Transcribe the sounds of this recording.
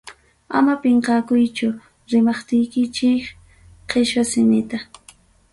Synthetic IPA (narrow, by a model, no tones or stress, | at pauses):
a̰mapeɴqɑːkʊjt͡ʃʊ | ɾɪmɑχt̪ɪjkɪt͡ʃɪk | qʰeʃwasɪnɪt̪a